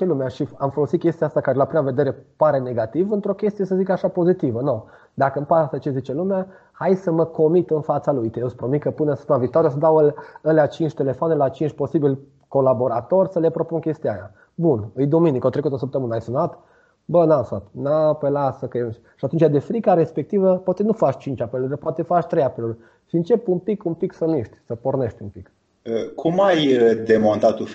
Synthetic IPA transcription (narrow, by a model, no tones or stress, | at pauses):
t͡ʃelumeaʃiamfo̞lo̞sit̪̚kʲe̞st̪ijaast̪akaɾeelapɾimave̞d̪eɾe̞paɾe̞ne̞ɡat̪ivɨnt̪ɾo̞kʲe̞st̪ijesəzikaʃapo̞zit̪ivəno | d̪akəɨmpasət͡ʃe̞zit͡ʃe̞lumea | hajsəməko̞mit̪ɨnfat̪salujt̪ejospɾomit̪kəpuneosə̥t̪əmavik̚t̪oaɾijosəd̪awələleat͡ʃint͡ʃʲt̪e̞le̞foanelat͡ʃint͡ʃʲpo̞sibilʲ | ko̞labo̞ɾat̪o̞rʲsəle̞pɾo̞punkʲe̞st̪ijaja̰ | bunɨjd̪ominikot̪ɾekut̪osəp̚t̪əmɨnajsunat̪ | bənasna̰t̪napelasəke | ʃiat̪unt͡ʃjad̪e̞fɾikaɾe̞spek̚t̪ivəpoat̪enufat͡ʃt͡ʃint͡ʃʲapeluɾepoat̪efat͡ʃʲt̪ɾejapelurʲ | ʃiɨnt͡ʃe̞pumpikumpiksəniʃt̪ʲsəpo̞rneʃt̪ʲumpik | əkʰumajd̪e̞mont̪at̪u